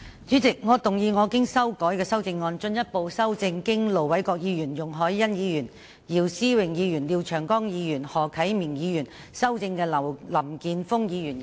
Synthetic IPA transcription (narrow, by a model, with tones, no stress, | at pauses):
t͡sy˨˥t͡sɪ˨k̚ŋɔː˨˧t̪ʊ˨˩ŋjiː˧ŋɔː˨˧kɪ˥ŋsɐ˥wkɔː˨˥jkɛː˧sɐ˥wt͡sɪ˧ŋːɔː˧nt͡ʃɵ˧njɐ˥t̚po˨˧wsɐ˥wt͡sɪ˧ŋkɪ˥ŋlo˨wɐ˨˥jkɔː˧k̚jiː˨˧jyː˨˩njʊ˨˩ŋɦɔː˨˥jːɐ˥njiː˨˧jyː˨˩n | jiː˨˩wsiː˥wɪ˨˩ŋjiː˨˧jyː˨˩nliː˨˧wt͡ʃʰœː˨˩ŋkɔː˥ŋjiː˨˧jyː˨˩nhɔː˨˩kʰɐ˨˥jmiː˨˩ŋjiː˨˧jyː˨˩n | sɐ˥wt͡sɪ˧ŋkɛː˧lɐ˨˩wlɐ˨˩mkiː˧nfʊ˥ŋjiː˨˧jyː˨˩n